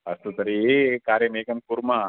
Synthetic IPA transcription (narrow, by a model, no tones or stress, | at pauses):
ɐst̪usɐɾiekaːɾjɐmeːkɐmkuɾma